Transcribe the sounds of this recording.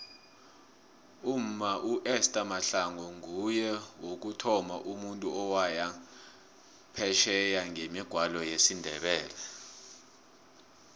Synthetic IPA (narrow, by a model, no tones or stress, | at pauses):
um̩maʔuʔɛstʼamaɬaŋɔŋujɛwok̬utʰɔmaʔumuntʼuɔwaja | pʰɛʃɛjaŋemiɡ̥ʱwalɔjesindʱɛɓɛːlɛ